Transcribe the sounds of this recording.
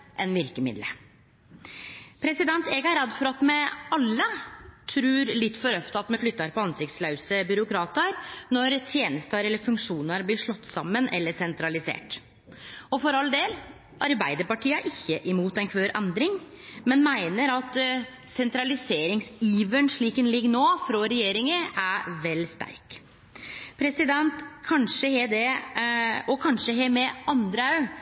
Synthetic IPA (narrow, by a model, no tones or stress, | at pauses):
ʔɛnʋɪɾkəmɪ̰d̪lə̰ | pʰɾɛsɪd̪ɛnt̪eːɡɑɾɛd̪ːfɔɾɑt̪mɛɑlːət̪ʰɾʉːɾlɪt̪ːfɔɾœft̪ɑt̪mɛflʏt̪ːɑɾpɔɑnsɪkt̪slɑʉsəbʏɾʊkɾɑːt̪əɾnɔɾt̪ʰjeːnəst̪əɾɛlːəfʉŋkʂuːnəɾblɪʂɭɔt̪ːsɑmːənʔɛlːəsɛnt̪ɾɑlɪsḛːʈ | ɔfɔɾɑld̪eːl | ʔɑɾbæɪd̪əɾpɑʈʰiːəʔɪçːəʔɪmuːt̪ɛnkʰʋøːɾʔɛnd̪ɾɪŋ | mɛnmæɪnəɾɑt̪ | sɛnt̪ɾɑlɪseːɾɪŋsiːʋəɳʂɭiːkənlɪɡːnoːfɾɔɾɛjeːɾɪŋəʔæʋɛlst̪æ̰ɾk | pʰɾɛsɪd̪ɛnt̪kʰɑnʂəhɛd̪ɛ | ɔkʰɑnʂəɦɛmɛɑnd̪ɾəɑʉ